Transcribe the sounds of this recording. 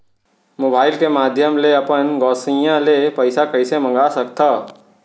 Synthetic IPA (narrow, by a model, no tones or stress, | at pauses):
moːbaːɪlkemaːd̪ʱjəmleɐpənɡɔːsijãlepɐɪsakɐɪsemɐ̃ŋ̆ɡasɐkt̪aː